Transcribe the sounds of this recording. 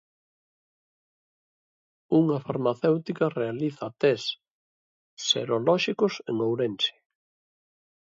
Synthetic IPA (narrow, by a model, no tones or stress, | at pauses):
uŋɐfaɾmaθewt̪ikɐrealiθat̪ɛs | ḛɾolɔʃikʊsḛŋowɾensɪ̥